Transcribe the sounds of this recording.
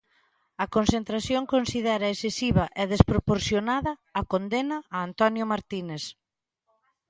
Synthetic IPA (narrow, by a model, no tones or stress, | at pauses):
ɐkonsent̪ɾaθjoŋkonsiðɛɾɐesesiβɐʔɛðespɾopoɾθjonaðɐːkond̪enɐʔːnt̪ɔnjomaɾt̪ines